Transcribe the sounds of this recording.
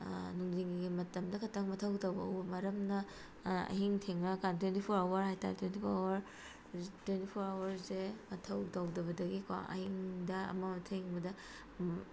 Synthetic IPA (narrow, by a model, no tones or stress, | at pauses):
nuŋziŋiɡimɐtɐmdɐkʰɐtʰɐŋmɐtʰɐwtawbɐɐ̰wbɐmɐɾɐmnɐ | ɐ̰ɦiŋtʰeŋnɐkantwentipʰoɾawɐɾhajtʰa̰ɾtwentipʰoɾawɐɾ | twentipʰoɾawɐɾzemɐtʰɐwtɐwdɐβɐdɐɡikwa̰ɐ̰hiŋdɐɐ̰mɐmɐtʰeŋbɐdɐ